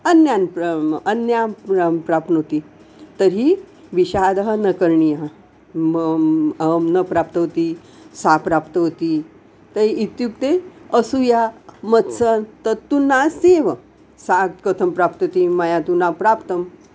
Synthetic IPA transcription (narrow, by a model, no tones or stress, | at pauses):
ənjanpənjapɾapnɦot̪i | t̪əɾi | ʋiɕad̪əɦənəkəɾɳijəɦ | m | nəpɾap̚t̪əɦot̪i | sapɾapt̪əɦot̪i | t̪əiit̪jup̚t̪eəsujamət̪sənt̪ət̪ːunːaseʋə | sat̪kət̪ʰəmpɾapt̪ot̪iməjat̪unapɾapt̪əm